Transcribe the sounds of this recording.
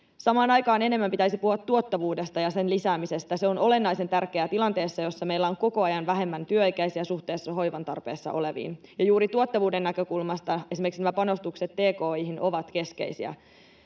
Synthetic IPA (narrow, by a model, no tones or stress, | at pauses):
sɑmɑːnɑjkɑːne̞ne̞mːæmpit̪æisipuhɑt̪ːuot̪ːɑʋuːdest̪ɑjɑse̞nlisæːmise̞st̪æseono̞le̞nːɑjse̞nt̪ærke̞æt̪ilɑnt̪e̞ːsːɑjo̞sːɑme̞jlːæoŋko̞ko̞ɑjɑnʋæɦe̞mːænt̪yøikæisiæsuht̪e̞ːsːɑɦo̞jʋɑnt̪ɑ̰rpe̞ːsːɑ̰ʔo̞le̞ʋḭːnjɑjuːɾit̪uot̪ːɑʋuːdenːækø̞kulmɑst̪ɑe̞simerksinæmæpɑno̞st̪ukse̞t̪ːeːkoːiɦinʔo̞ʋɑt̪ke̞sk̟e̞̰isḭæ̰